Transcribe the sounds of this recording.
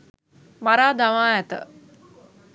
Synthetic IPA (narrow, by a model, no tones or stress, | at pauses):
maɾaːd̪aʋaːɛt̪ə̰